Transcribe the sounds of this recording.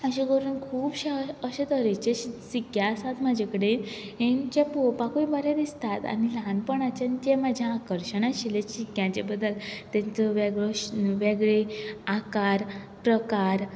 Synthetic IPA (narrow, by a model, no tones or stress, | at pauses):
əɕiɡʱoɾuːnkʰuːbɕeəɕed̪əɾet͡ɕeɕisikjasat̪mad͡ʑʱekəɽe | jẽnt͡ɕapopãkuibəɾjad̪ist̪at̪a̰nilanpəɳat͡ɕant͡ɕemad͡ʑʱjãakəɾɕəɽ̃ãɕileɕikjãt͡ɕḛbəd̪ːəlt̪ɛ̃t͡səʋeɡɭɔʋeɡɭeakaɾ | pɾəkaɾ